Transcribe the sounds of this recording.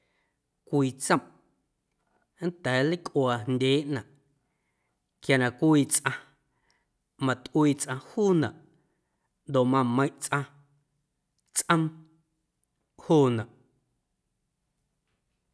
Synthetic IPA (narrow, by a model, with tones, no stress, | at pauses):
kʷiː˨t͡sə̃˦˨m | n̩˦t̪ɛː˨˦li˦kʔwaː˨ndʲeː˨˦ʔnã˨ʔ | kja˨nã˨kʷiː˧t͡sʔã˧ | mã˨t̪ʔwiː˧˨t͡sʔã˧huː˦˨nã˨ʔ | nd̪o˨ʔmã˧˨mə̃˧j̃ʔt͡sʔã˧ | t͡sʔə̃˦m | huː˦˨nã˨ʔ